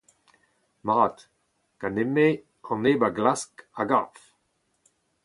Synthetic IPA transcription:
maːt | kaneme | ɑ̃neːbaɡlaskaɡa̰f

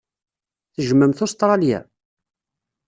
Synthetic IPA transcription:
θəʒəmːəmθʊst̪ɾˤɑljæ̰

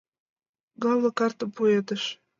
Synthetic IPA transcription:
ɡɑwlɤ̆kɑrt̪ə̆puet̪əʃ

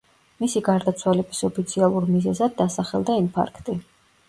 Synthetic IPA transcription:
misiɡaɾd̪at̪sʰwalɛbisɔpʰit̪sʰialˠuɾmizɛzad̪̚ːasaχɛlˠd̪aimpʰa̰ɾkʰt̪ʼi

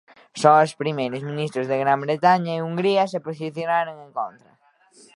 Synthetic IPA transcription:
soŋospɾimejɾʊsmĩnist̪ɾʊzðeɣɾambɾet̪aɲɐiuŋɡɾiɐsepos̬iθjonaɾoŋẽŋkont̪ɾɐ̰

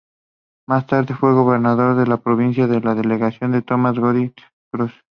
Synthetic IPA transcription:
mast̪aɾðefweɣo̞βeɾnaðo̞ɾðelapɾoβ̞ins̬jaðelaðeleɣasjo̞nd̪et̪omazɣoði | kɾus

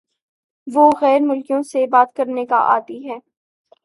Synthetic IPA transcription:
ʋoːɣɛːɾmʊlkijõsebaːt̪kɐɾneka̰ʔa̰ːt̪iɦɛː

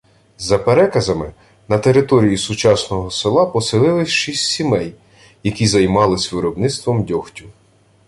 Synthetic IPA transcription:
zɐpeɾɛkɐzɐmɪ | nɐt̪e̞ɾɪt̪ɔɾʲijisʊt͡ʃɑsnɔɦɔsɪlˠɑpɔsɪlˠɪlˠɪsʲʃisʲtʲsʲimɛj | jɐkʲizɐjmɑlˠɪsʲʋɪɾɔbnɪst̪ʋɔmdʲɔxtʲʊ

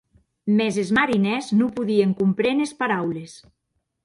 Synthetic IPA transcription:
mezezmaɾinɛznupuðieŋkumpɾenespaɾawles

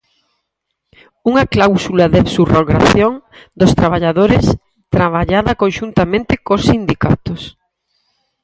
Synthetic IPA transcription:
uŋɐklawsulaðaβsuroɣɾa̰θjoŋd̪ost̪ɾaβ̞aʎaðoɾɪs | t̪ɾaβaʎaðɐkõnʃunt̪amẽnt̪ɪkosːind̪ikat̪os

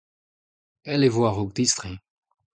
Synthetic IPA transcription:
ɛlevwaʁoɡ̚d̪ist̪ʁĩ

